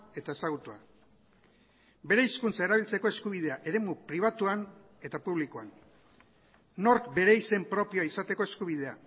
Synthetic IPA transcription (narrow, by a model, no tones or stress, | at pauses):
e̞t̪ae̞saɣ̞ut̪ua | be̞ɾe̞iskunt͡sae̞ɾaβ̞ilt͡se̞ko̞e̞skuβ̞ið̞e̞aʔe̞ɾe̞mupɾiβ̞at̪uan | e̞t̪apuβlikoan | no̞ɾkbe̞ɾe̞ise̞mpɾo̞pio̞aisat̪e̞ko̞e̞skuβ̞ið̞e̞a